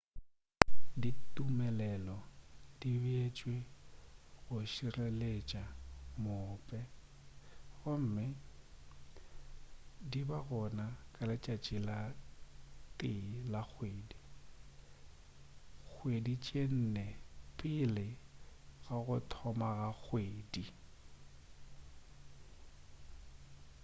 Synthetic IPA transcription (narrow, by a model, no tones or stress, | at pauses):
ditʼumɛlɛlɔdibet͡ʃʼwe | ɣʊʃirelet͡ʃʼamʊpʼɛ | ɣʊm̩ːmɪ | dibaɣɔnakʼalɪt͡ʃʼat͡ʃʼɪla | tʼɪlak͡xʰweːdi | k͡xʰwedit͡ʃʼen̩nɛpʼɪlɪ | ɣaɣʊtʰɔmaɣak͡xʰweːdi